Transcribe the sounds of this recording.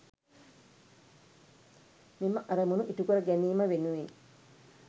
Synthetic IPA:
miməʔɐɾəmunuʔit̪ukuɾəɡɛniːməʋenuʋeŋ

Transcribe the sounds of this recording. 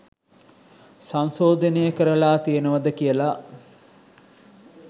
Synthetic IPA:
sansoːd̪ənejəkəɾəlaːt̪ijənəʋəd̪əkijəla

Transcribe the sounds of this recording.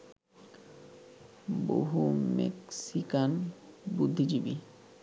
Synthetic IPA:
bo̰ɦumḛksikanbud̪ʱːid͡ʑibi

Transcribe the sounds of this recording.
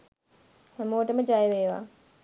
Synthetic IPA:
hemoːʈəməd͡ʒajʋeːʋa̰ː

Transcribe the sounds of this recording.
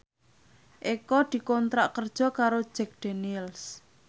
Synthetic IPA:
ʔekɔd̪̥i̤kɔnt̪ɾaʔkərd̥ʒ̥ɔ̤kaɾo̥ʒ̥ɛk̚d̪̥enils

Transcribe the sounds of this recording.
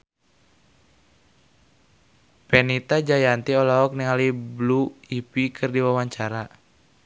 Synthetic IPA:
pɛnit̪ad͡ʒajant̪iɔlaɔk̚niŋalibluipikʰɨrdiwawaɲt͡ʃaɾa

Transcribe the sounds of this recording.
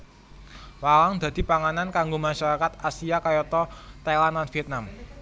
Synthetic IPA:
wawaŋd̪̥ä̤d̪̥i̤paŋanankaŋɡomaʃaɾakat̪asiakajɔt̪ɔt̪alananfiɛt̪̚nam

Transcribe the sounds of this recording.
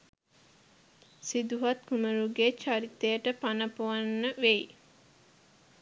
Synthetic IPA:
sid̪uɦɐt̪kuməɾuɡet͡ʃaɾit̪ejəʈəpanəpoʋɐnːəʋej

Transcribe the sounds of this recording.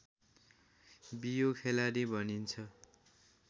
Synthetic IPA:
bijokʰelaɾibʱʌnint͡sʰʌ

